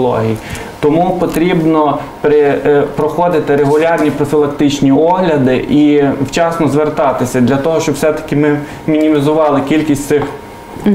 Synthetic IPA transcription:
lˠɔ̰ɦʲij | t̪ɔmupɔt̪ɾʲibnɔ | pɾepɾɔxɔd̪ɪt̪ɪɾeɦʊlʲɑrnʲipɾɔfʲilˠɐkt̪ɪt͡ʃnʲiɔɦlʲɐd̪ɪ̰ʔiwt͡ʃɑsnɔzʋert̪ɑt̪ɪsʲɐd̪lʲɐt̪ɔɦɔʃt͡ʃɔbwsɛt̪ɐ̥kʲɪmɪ | mʲinʲimʲizʊʋɑlˠɪkʲilʲkʲisʲtʲt̪sɪx

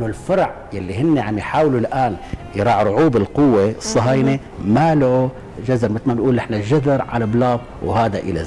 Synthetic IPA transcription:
ʔnːʊlfɑɾˤʕ | jalːiɦɪnːeʕamjħaːwlulʔaːnjɾˤɑːʕɾˤʊʕuːbɪlqʊwːesˤːɑɦɑːjne | mala | ʒazɑɾˤmɪt̪lmanʔuːlʔɪħnaʒad̪ɑɾʕa̰lablɑːb | whaːd̪aʔɪ̰la̰

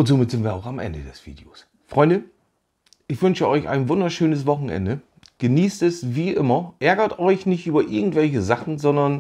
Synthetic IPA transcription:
ʔʊntz̥oːmɪtz̥ɪntv̥iːɐaʊxamʔɛ̰ndədɛsv̥ḭːdeo̰ːs | fʁ̥ɔʏndə | ʔɪçv̥ʏnʃəʔɔʏça̰ɪnvʊndɐʃøːnəs̬v̥ɔχn̩ʔɛ̰ndə | ɡ̥əniːstɛsviːʔɪmɐʔɛɐɡɐtʔɔʏçnɪçtʔyːbɐʔɪɐɡŋ̩tv̥ɛlç̬əzaχn̩zɔndɐn

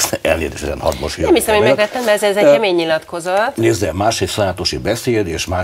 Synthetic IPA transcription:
ɛ̰lnḛːzḛːʃɛzɛ̰nhɒ̰d̪moʃiɛmhisɛmhoɲmɛklɛt̪ːɛmd̪ɛɛzɛzɛkɛmeːɲːilɒt̪ko̞zɒneːzːɛmaːʃheːfsɒjaːt̪oʃibɛseːd̪eːʃmaː

